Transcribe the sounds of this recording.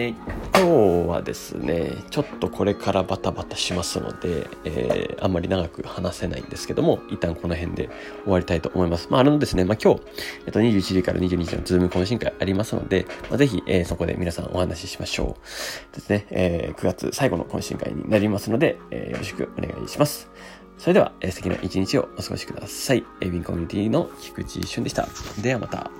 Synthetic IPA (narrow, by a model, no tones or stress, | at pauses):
ekʲo̞ːβa̰d̪e̞sɨ̰ne̞̰t͡ɕo̞t̪ːo̞kʰo̞ɾe̞kʰaɾabat̪abat̪ḁɕimasɨno̞̰d̪e̞̰ː | ã̰mːaɾʲinaɡakɯ̟hanase̞na̰ḭ̃nd̪e̞sɨ̥ke̞d̪o̞mo̞it̪ːãŋko̞no̞ɦẽ̞nd̪e̞ | o̞βaɾʲit̪ait̪o̞ʔːmo̞imasɨ̥maːɾɯ̟nod̪e̞sɨne̞maːkʲo̞ː | eːt̪ːoɲ̟iʑɨːit͡ɕiʑikaɾa̰ɲ̟iʑɨ̟ːɲ̟iʑḭnot͡sɨːmɯ̟kõɕ̬ĩŋkaiaɾʲimasɨno̞̰d̪e̞maze̞çʲiʔeːso̞ko̞d̪e̞̰mʲinasã̰ŋ̃ʔo̞̰hanʔaɕiɕi̥maɕo̞̰ːd̪̥e̞sɨne̞eːkɯ̟ɡat͡sɨ̰saiɡo̞no̞kõɕḭ̃ŋka̰ḭɲ̟ʲḭnaɾʲimasɨno̞d̪e̞ḛːjoɾo̞ɕ̬ɨ̥kɯ̟o̞ne̞̰ɡa̰ḭɕimasɨ̥ | soɾed̪e̞aeːsɨt̪eina̰ʔit͡ɕiɲ̟it͡ɕio̞osɨɡo̞̰ɕi̥k̟d̪asaiebʲĩŋkomiɲ̟it̪ʲinokʲi̥kɯ̟t͡ɕḭɕɨ̃nd̪eɕi̥t̪a̰d̪e̞amat̪a̰